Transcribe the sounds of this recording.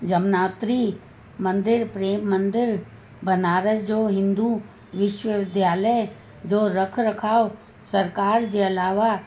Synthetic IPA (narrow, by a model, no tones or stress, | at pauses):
d͡ʒəmnaːt̪ɾi | mə̃nd̪ɪɾpɾeːmːə̃nd̪ɪɾ | bənaːɾəd͡ʒoːɦɪ̃nd̪u | ʋɪʃwəʋɪd̪ʱjaːləj | d͡ʒoːɾəkʰɾəkʰaːo | sɐɾkaːɾd͡ʒeɐlaːʋa